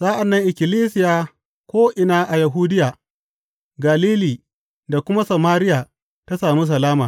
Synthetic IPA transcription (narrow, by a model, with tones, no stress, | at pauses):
sa˦ʔa˨nːɐ˦ŋʔɪ˨kʲɪ˨liː˦s̬ɪ˦jaː˦ | kʷoː˦ʔɪ˨naː˦ʔa˨ja˨ɦuː˦dɪ˦jaː˨ | ɡa˨liː˦liː˨ | da˨kʷʊ˦ma˦sɐ˨maː˦ɾɪ˦jaː˨ | ta˦saː˨mi˦s̬ɐ˨laː˦maː˨